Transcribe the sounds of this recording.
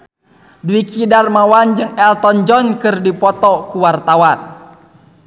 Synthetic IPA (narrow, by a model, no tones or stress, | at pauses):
duwikidarmawand͡ʒɨŋɛlt̪ɔnd͡ʒɔnkɨrdipɔt̪ɔkuwart̪awan